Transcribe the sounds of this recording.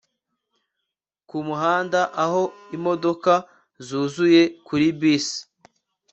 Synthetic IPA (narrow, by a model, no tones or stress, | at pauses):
kumuɦaːndaʔaho̞imo̞do̞ka | zuːzuje̞kuɾibiːsi̥